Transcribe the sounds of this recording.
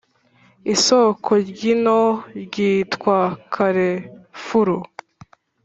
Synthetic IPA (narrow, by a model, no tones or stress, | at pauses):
isokʰoɾɟinoɾɟiːtkwakʰaɾefuɾu